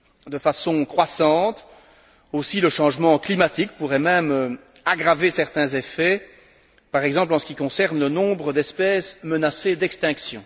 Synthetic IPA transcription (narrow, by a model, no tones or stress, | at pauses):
d̪əfasɔ̃kχwasɑ̃ːt̪ | osiləʃɑ̃ʒmɑ̃klimat̪ik̚puʁɛmɛmø | aɡʁavesɛʁt̪ɛ̃zefɛ | paʁɛɡzɑ̃p̬lɑ̃sə̥kʲikɔ̃sɛʁnlənɔ̃bʁəd̪ɛspɛsmənased̪ɛkst̪ɛ̃ksjɔ̰̃